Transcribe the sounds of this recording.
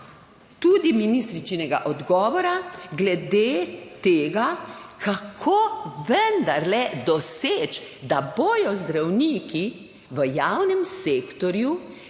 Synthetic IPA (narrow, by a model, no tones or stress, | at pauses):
t̪ud̪iminist̪ɾit͡ʃnɛɡa̰ʔɔd̪ɡɔːʋɔɾaɡlɛd̪eːt̪eːɡakʰakʰoːʋənd̪aɾlɛd̪ɔseːt͡ʃd̪aboːjɔzd̪ɾawniːki | ʋəjaːwnɛmseːkt̪ɔɾju